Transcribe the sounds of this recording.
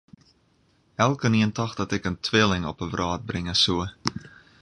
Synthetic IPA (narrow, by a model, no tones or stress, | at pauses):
ɛlˠkəniəntɑxdɔtɛkəntʰwʋɪəlɪŋɔpəvrʔɑːt̚brɪŋəsuə